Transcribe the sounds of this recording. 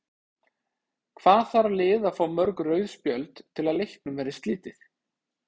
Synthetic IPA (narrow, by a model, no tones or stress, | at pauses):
kʰvaːðθaɾlɪːðafaːwmœɾkrœːɥðspjœlt̪t̪ʰːɪlaðlejhk̚nʏmvɛːɾɪst̪liːt̪ɪθ